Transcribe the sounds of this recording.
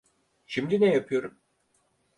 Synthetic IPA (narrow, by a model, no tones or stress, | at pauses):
ʃimd̪inɛjapʰɯjo̞ɾum